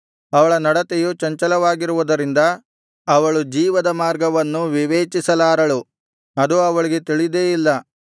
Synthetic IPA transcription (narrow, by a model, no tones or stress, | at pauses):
ɐʋɐɭɐnɐɽɐt̪ejut͡ʃɐɲt͡ʃɐlɐʋaːɡiɾuʋud̪ɐɾind̪ɐ | ɐʋɐɭud͡ʒiːʋɐd̪ɐmaːɾɡɐʋɐnːuʋiʋeːt͡ʃisɐlaːɾɐɭu | ɐd̪uɐʋɐɭiɡe̞t̪iɭid̪eːjilːɐ